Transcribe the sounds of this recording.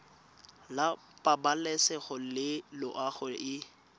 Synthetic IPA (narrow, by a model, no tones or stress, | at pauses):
la | pʼabalɛsɛχʊlɪlʊʔaχʊɪ